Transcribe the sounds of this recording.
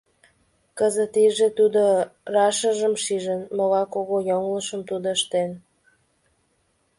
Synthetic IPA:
kəzət̪iʒet̪ud̪orɑʃəʒəmʃiʒənmoɣɑkoɣojoŋləʃəmt̪ud̪oəʃt̪en

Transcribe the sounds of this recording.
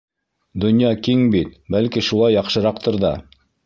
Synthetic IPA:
d̪ŏnjɑkiŋbit̪bælkiʃulˠɑjːɑqʃɤ̆ɾɑq̚t̪ŏɾðɑ̰

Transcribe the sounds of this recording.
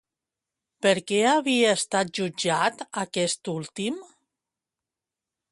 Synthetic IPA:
pəɾkɛaβiaːst̪at̪̚ʒud͡ʒat̪akɛst̪ulˠt̪im

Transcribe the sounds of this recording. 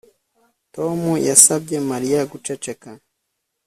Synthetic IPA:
to̞mujasabɟe̞maɾijaɡut͡ʃe̞t͡ʃe̞ka

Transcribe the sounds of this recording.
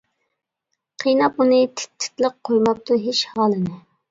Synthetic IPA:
qʰijnɑp̚unɨt̪ʰɪ̥t̪ʰːɪ̥t̪lˠəq̚qʰːojmɑk̚t̪uɦeʃhɑːlˠɨnɪ

